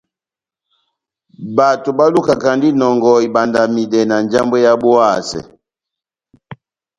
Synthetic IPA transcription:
ba˨to˨ba˦lu˦ka˨ka˨ndi˦nɔ˨ŋɡɔ˨i˨ba˨nda˨mi˨dɛ˨na˨nd͡ʒa˦mbe˦ja˦bu˦a˦˨sɛ̰˨

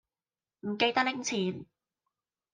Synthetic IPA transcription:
m̩˨˩ke˧jt̪ɐ˥k̚lɪ˧˥ŋt͡sʰiː˨˩n

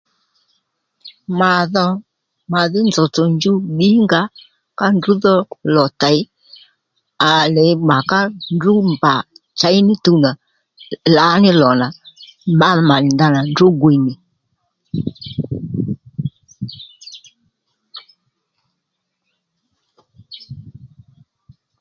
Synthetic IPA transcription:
ma˨ðɔ˦ | ma˨ðɪ˦nd͡zɔ˨t͡sɔ˨nd͡ʒu˦ɓi˦ŋɡa˦ | ka˦ndu˦ðɔ˦lɔ˨ta˨j | a˨lɛ˨˦ɡ͡ba˨ka˦ndu˦mba˨t͡ʃa˨˦jnɪ˦tu˧na˨ | la˨˦nɪ˦lɔ˨na˨ma˦˨ma˨nɪ˨nda˦na˨ndʊ˦ɡwi˨nɪ˨

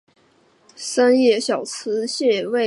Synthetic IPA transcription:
sə˥njɛ˥˩ɕjɑ˨˩ʊt͡sʰɹ̩˧˥ɕjɛ˥˧we˥˩

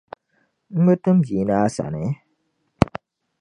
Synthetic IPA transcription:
m̩˦bə˦tɨ˦m̩˦bji˨˦na˦sa̰˨nɛ˨˦

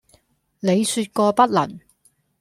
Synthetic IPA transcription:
ne˨˧jsyː˧t̚kɔː˧pɐ˥t̚lɐ̰˨˩n

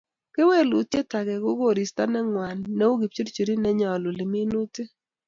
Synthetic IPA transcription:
ke˦we˦˨lu˨tje˦ta˨ɡɛ˨ɡʊ˦ɡo˦˨ɾi˨sta˦nɛ˦ŋwa˨nːɛ˦o˦ɡi˨p̚t͡ʃu˦ɾt͡ʃi˨ɾi˦nɛ˦ɲɔ˨lʊ˨lɪ˨mi˦nu˦tɪ˦

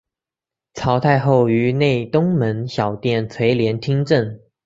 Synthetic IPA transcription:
t͡sʰɑ˧˥ʊt̪ʰa˥˧ɪxo˥˩ʊy˧˥ne˥˩ɪt̪ʊ˥ŋmə˧˥nɕjɑ˨˩ʊt̪jɛ˥˩nt͡sʰwe˧˥ɪljɛ˧˥nt̪ʰi˥ŋʈ͡ʂə˥˩n

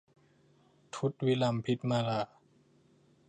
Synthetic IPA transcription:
t̪ʰu˦˥t̪̚wi˦˥la˧˩mpʰi˦˥t̪̚maː˧la˧˩

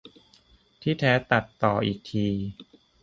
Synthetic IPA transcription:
t̪ʰiː˥˩t̪ʰɛː˦˥t̪a˨˩t̪ːɔː˨˩ʔiː˨˩k̚t̪ʰiː˧

